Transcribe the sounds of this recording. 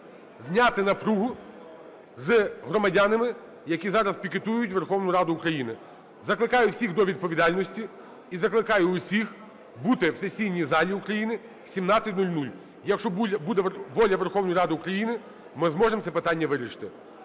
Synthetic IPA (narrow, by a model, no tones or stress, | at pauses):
zʲnʲat̪ɪnɐpɾuɦʊ | zɦɾɔmɐdʲanɪmɪ | jɐkʲizɑɾɐspʲikɪt̪ujʊtʲʋerxɔwnʊjʊɾɑd̪ʊʊkɾɐjinɪ | zɐklˠɪkɑjʊwsʲiɣd̪ɔʋʲid̪̚pɔʋʲid̪ɑlʲnɔsʲtʲi | izɐklˠɪkɑjʊːsʲix | but̪ɪwsɛsʲijnʲizɑlʲiʊukɾɐjinɪ | sʲimnɑt͡sʲːɐtʲnulʲnulʲ | jɐkʃt͡ʃɔbud̪ɛʋɔlʲɐʋerxɔwnɔjɾɑd̪ɪʊkɾɐjinɪ | mɪzmɔʐemsʲɛpɪt̪ɑnʲːɐʋɪɾʲiʃɪ̥t̪ɪ